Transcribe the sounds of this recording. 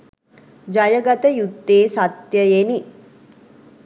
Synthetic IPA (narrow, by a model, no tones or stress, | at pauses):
d͡ʒajəɡat̪əjut̪ːeːsat̪jəjeni